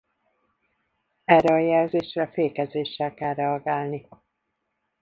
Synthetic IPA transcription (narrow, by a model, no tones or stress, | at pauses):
ɛrːɛɒjɛlzeːʃrɛfeːkɛzeːʃːɛlkɛlːɛɒɡaːlni